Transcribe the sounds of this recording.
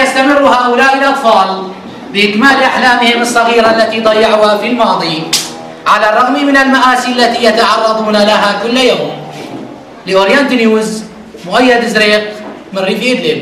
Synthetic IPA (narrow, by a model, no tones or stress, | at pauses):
jast̪amɪrːuhaːʔʊlaːʔɪlʔɑt̪ˤfɑːl | bɪʔɪkmaːlʔaħlaːmɪhɪmɨsˤːɑɣiːɾaʔlːat̪id̪ˤɑjːɑʕuːhafilmɑːd̪ˤi | ʕalarˤːɑɣmimɪnalmaʔaːsiʔalːat̪ijat̪ɑʕɑrˤːɑd̪ˤuːnalaɦakʊlːjaːm | lɪwaɾjaːnt̪njuːz | mʊʔajːad̪zɾeːq̚ | mɪrːiːfɪd̪lɪb